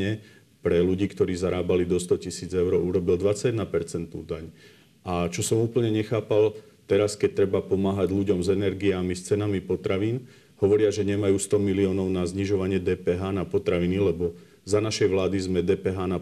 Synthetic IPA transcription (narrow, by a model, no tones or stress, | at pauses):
ɛ | pɾɛluɟiːkt̪ɔɾiːzaɾaːbalid̪ɔst̪ɔcisiːd͡zɛʊɾɔuɾɔbild̪ʋat͡sadnapɛɾt͡sɛnt̪nṵːd̪aɲ | ʔat͡ʃɔsɔmuːpl̩ɲɛɲɛxaːpal | t̪ɛɾaskɛc̚t̪ɾɛbapɔmaːɦaɟʎuɟɔmzɛnɛɾɡiamist͡sɛnamipɔt̪ɾaʋiːn | hɔʋɔɾɪaʒɛɲɛmajuːst̪ɔmiliɔːnɔʊnazɲiʒɔʋaɲɪɛd̪ɛːpɛːɦaːnapɔt̪ɾaʋinilɛbɔ | zanaʃɛjʋlaːd̪izmɛd̪ɛːpɛɦaːna